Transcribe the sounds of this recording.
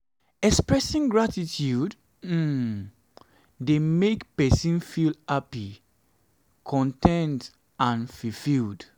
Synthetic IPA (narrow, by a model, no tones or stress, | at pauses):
ɛkspɹɛsĩŋɡɹatitʰjud | m̩ | demekpɛsĩnfilhapi | kʰɔ̃ntʰɛ̃nt | ãnfifild